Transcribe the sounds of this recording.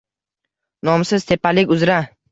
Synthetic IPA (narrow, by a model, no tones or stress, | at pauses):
nɒmsɪz̥t̪ʰe̞pʰːalɪkʲʊzɾa